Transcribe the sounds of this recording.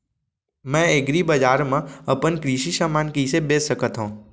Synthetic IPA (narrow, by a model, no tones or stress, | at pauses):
mɛ̃eɡɾibɐd͡ʒaːɾmẽɐpənkɾiʃisaːmaːnkisebeːsəkət̪ɦũː